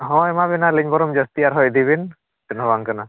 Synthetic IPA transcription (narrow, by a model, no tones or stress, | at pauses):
ɦɔ̃ɛmabinaliɲbɔɾɔmd͡ʒɔst̪iaɾɦɔjd̪iβin | tɯnɔβaŋkɯna